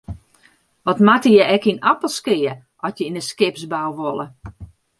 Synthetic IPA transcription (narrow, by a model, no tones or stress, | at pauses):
ʋɔtmatəjɛɛkinapəlˠskɪə | ɔsjəinəskɪpsbawʋolˠə